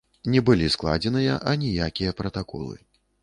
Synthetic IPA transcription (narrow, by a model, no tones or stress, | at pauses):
nʲɛbɨlʲisklˠa̰d͡zʲɛnɨjɐʔɐnʲɛjakʲijɐpɾɐt̪akɔ̰lˠɨ̰